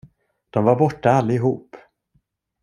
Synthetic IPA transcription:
d̪̥ɔmvaɾbɔʈːaalːaɪɦuːp

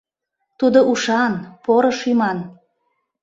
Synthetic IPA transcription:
t̪ud̪oʔuʃɑnpoɾɤʃymɑn

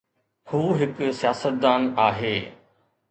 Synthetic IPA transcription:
huːɦɪksijaːsət̪̚d̪aːnaːɦeː

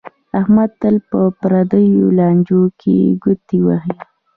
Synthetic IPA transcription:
ahmad̪̚t̪əlpəpɾad̪əjolɑnd͡ʒokʰḛɡʊt̪iwahi

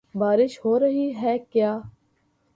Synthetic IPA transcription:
baːɾɪʃhoːɾəɦiːɦɛːkjaː

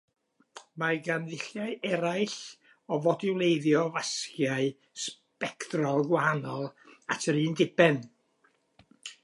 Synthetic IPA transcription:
maɡanðɪɬjaɨɛɾajɬ | ɔvɔdɪwlˠejðjɔvaskjaɨ | s | pɛkdrɔlˠɡwaɦanɔlˠatʰəɾiːndɪbɛn

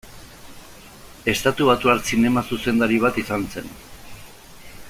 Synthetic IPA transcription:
e̞st̪at̪uβat̪uaɾt͡sine̞masuse̞nd̪aɾiβ̞at̪isanse̞n

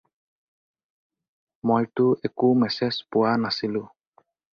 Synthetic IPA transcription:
mojtʊɛkumɛsɛspʊwanasilʊ̃

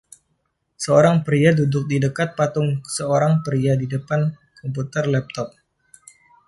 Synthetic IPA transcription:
səoɾaŋpɾiadudʊk̚didəkat̪̚pat̪ʊŋsəoɾaŋpəɾiadidəpan | kɔmput̪ərlɛp̚t̪ɔp̚

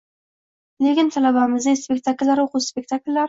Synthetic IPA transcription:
lekʲɪnt̪ʰalabamɪzd̪ɪŋspekt̪ʰakʲlʲːaɾoquspek̚t̪ʰakʲlʲːaɾ

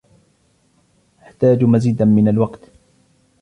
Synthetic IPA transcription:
ʔaħt̪aːd͡ʒmaziːd̪amɪnalwɑqt̪

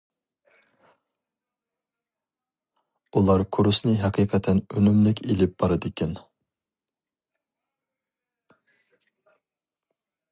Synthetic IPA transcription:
ulˠɑɾkʰoɾusnɨɦɛqʰiːqʰɛt̪ʰɛnønymlɪkʲelɪp̚b̥ɑɾɨd̪ɪkʲʰɛn

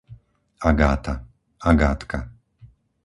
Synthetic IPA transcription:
aɡaːt̪a | aɡaːt̪ka

